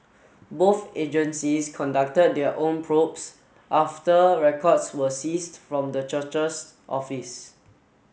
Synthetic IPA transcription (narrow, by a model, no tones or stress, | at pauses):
boθed͡ʒə̃nsiskʰɔ̃ndak̚təd̚dɛəʔõnpʰɹops | ʔaftəɹɛkʰɔdswəsistfɹɔ̃mdət͡ʃət͡ʃəs | ʔɔ̰fis